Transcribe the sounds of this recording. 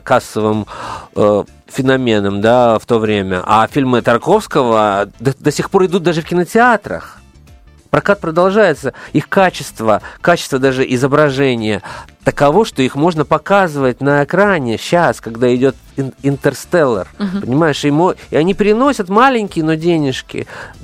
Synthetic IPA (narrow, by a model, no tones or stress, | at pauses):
kasːəvɨmə | fʲɪnɐmʲenəmd̪aft̪o̞vɾʲemʲə̰ʔa̰fʲilʲmɨt̪ɐrko̞fskəvəd̪d̪əsʲixpo̞ɾɪd̪ut̪̚d̪aʐɨfkʲɪnətʲɪat̪ɾə̰x | pɾɐkat̪̚pɾəd̪ɐlˠʐajɪt̪səixkat͡ɕɪst̪vəkat͡ɕɪ̥st̪vəd̪aʐɨʔɪzəbɾɐʐɛnʲɪjət̪əkɐvo̞ʂt̪o̞ixmo̞ʐnəpɐkazɨvət̚ʲnəɪkɾanʲɪɕːaskɐɡd̪aɪdʲo̞t̪ | ɪnt̪ərst̪ɛlʲˠːə̰rpənʲɪmajɪʂɪmoɪɐnʲipɾʲɪno̞sʲət̪malʲɪnʲkʲɪjno̞dʲenʲɪʂkʲɪ̰